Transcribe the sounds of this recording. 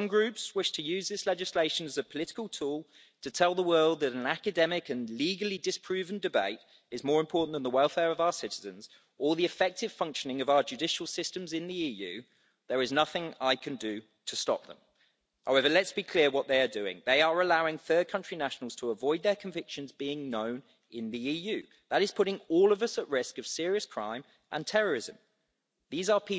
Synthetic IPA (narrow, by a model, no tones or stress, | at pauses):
ʌ̃mɡɹʉˑpswɪʃtʰəjʉːzðɪslɛd͡ʒɪsleɪʃə̃nəzəpʰəlɪtɪ̥kəlˠtʰuːlˠ | tʰətʰɛlˠðəwɜːlˠd̪̚ðəɾə̃nakɨdɛmɪkə̃nliːɡəlˠidɪsə̥pʰɹ̥ʉːvə̃ndɪbeɪt | ɪzmɔːɹɪ̃mpʰɔˑʔn̩ðə̃nðəwɛlˠfɛːɹəvaʊəsɪtɪzə̃nz̥ | əlˠðiɨfɛk̚tɪv̥fʌ̃ŋkʃənɪ̃ŋəvaʊəd͡ʒʉdɪʃəl̩ˠsɪstə̃mzɪ̃nðiiːjʉ̰ː | ðəɹɪznʌθɪ̃ŋaɪkʰɨ̃ndɨ | tʰəstɒ̰p̚ðə̰̃m | haʊɛvəlɨtsb̥ikʰl̥ɪəwɒʔ̪̚ðeɪədʉɪ̰̃ŋðeɪəɹəlaʊɪ̃ŋθɜ˞d̚kʰʌ̃nt͡ʃɹ̥inaʃn̩lˠz̥tʰəːvɔɪd̪̚ðəkʰə̃ɱvɪkʃə̃nzbiɪ̃ŋnə̃ʊ̃n | ɪ̃nðiiːjʉː | ðəɾɨz̥pʰʊɾɪ̃ŋɔːlˠəvʌsəʔɹɪskəv̥sɪəɹiəskʰɹ̥ã̰ɪ̃m | ʔə̰̃ntʰɛɹəɹɪzə̃m | ðiːzəpʰi